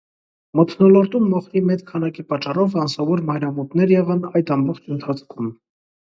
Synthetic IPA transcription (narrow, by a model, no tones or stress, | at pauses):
mət̪ʰnɔlɔɾt̪umːɔχɾimɛt͡skʰɑnɑkipɑt͡ʃːɑrɔvɑnsɑvɔɾmɑjɾɑmɔt̪nɛɾjɛʁɑnɑjd̪ɑmbɔχt͡ʃʰənt̪ʰɑt͡sʰkʰum